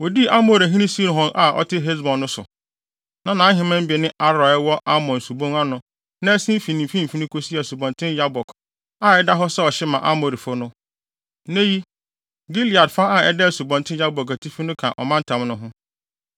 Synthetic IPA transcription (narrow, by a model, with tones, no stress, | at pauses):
wɔ˨di˦ʔa˦mo˨ɾa˨ɦĩ˦nĩ˦si˦nʊ̃˨ɦɔ̃˦ŋʔa˨ʔɔ̰˨tʰɪ˦ɦe˦s̬bɔ̃˨nːʊ̃˦sʊ̰˨ | nã˨nãː˨˦ɦɪ̃˨mɛ̃˦m̩˦bnɪ̃˦ʔa˦ɾɔ˨ɛ˦wɔ˦ʔa˦mɔ̃˨n˨su˨bõ˦ŋa˦nʊ̃˦ | nã˦ɛ˦sĩ˦m˦fi˨nɪ̃˨m̩˨fĩ˦m̩˨fi˦nĩ˦kʰo˦si˦ɛ˨su˨bɔ̃˨ntʰɪ̃˦n˦ja˦bɔ˨kʰ | a˦˨ɛ˦da˦ɦɔ˦sɛ˦ɔ˨ɕɪ˦mã˨ʔa̰˦mo˨ɾi˨fʊ˦nʊ̃˦ | nẽ˦ji˦ | ɡi˦li˨a˨dfa˦a˨ɛ˦dɛ˦˨su˨bɔ̃˨ntʰɪ̃˦ja˦bɔ˨ka˨tʰi˦fi˦nʊ̃˦kʰã̰˨ʔɔ̰˨mã˦n˦tʰã˨mnʊ̃˦ɦʊ̃˦